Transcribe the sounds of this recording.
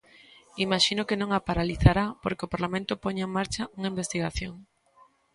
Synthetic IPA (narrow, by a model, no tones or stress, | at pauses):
imaʃinokenõŋapaɾaliθaɾapoɾkeopaɾlamẽnt̪ʊpoɲeŋmaɾt͡ʃɐuŋaimbest̪iɣaθjoŋ